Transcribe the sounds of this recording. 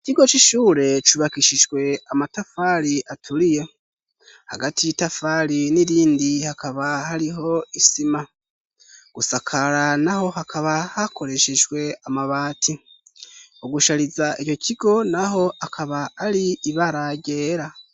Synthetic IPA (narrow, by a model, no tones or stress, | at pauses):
iciɡo̞t͡ʃiʃuːɾe̞t͡ʃuβakiʃiʒwe̞amatafaɾiʔatʰuɾije̞ | ha̰ɡatʰijitafaɾiniɾiːndihakaβahaɾiɦo̞isima | ɡ̥usakʰaɾanaho̞ɦakʰaβahakʰo̞ɾe̞ʃe̞ʒwe̞amaβaːtʰi | uɡuʃaɾizaʔio̞cʰiɡo̞naɦo̞ʔakʰaβaːɾiːβaɾaɟe̞ːɾa